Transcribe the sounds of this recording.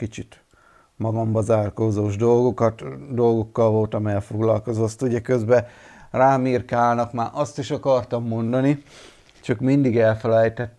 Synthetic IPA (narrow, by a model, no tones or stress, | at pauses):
kit͡ʃit̪ | mɒɡɒmbɒzaːrkoːzoːʒd̪o̞lɡo̞kɒt̪d̪o̞lɡo̞kːɒlvo̞lt̪ɒmɛɛlfo̞ɡlɒlko̞zo̞st̪ːuɟɛkø̞zbɛraːmirkaːlnɒkmaːʔɒst̪iʃɒkɒrt̪ɒmːo̞nd̪ɒni | t͡ʃɒkmind̪iɡɛlfɛlɛjt̪ɛt̪ː